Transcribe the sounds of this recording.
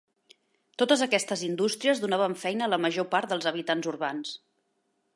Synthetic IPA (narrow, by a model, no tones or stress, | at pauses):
t̪ot̪əzəkɛst̪əzind̪ust̪ɾiəzðunaβ̞əɱfɛjnəːləməʒopaɾt̪d̪əlˠzəβ̞it̪anzuɾβans